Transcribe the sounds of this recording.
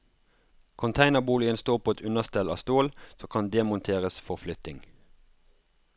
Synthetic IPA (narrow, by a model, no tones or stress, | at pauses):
kʰʊnt̪ʰæɪnəʁbuːlɪənst̪oːʁpʰoːɛt̪ʉnəʁst̪ɛlɑ̰st̪oːlsoːkʰɑnd̪ɛːmʊnt̪ʰeːʁəsfɔʁflʏt̪ɪŋ